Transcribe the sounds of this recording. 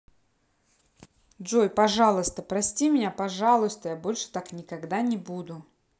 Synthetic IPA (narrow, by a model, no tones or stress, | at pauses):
d̪ʐojpɐʐɑlˠəst̪əpɾɐsʲtʲimʲɪnʲapɐʐɑlˠʊst̪əjabo̞lʲʂɨ̥t̪aknʲɪkɐɡd̪anʲɪbud̪ʊ